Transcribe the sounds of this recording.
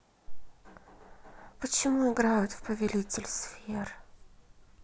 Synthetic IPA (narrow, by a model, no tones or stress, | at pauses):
pət͡ɕɪmuɪɡɾajʊt̪fpəvʲɪlʲitʲɪlʲsfʲer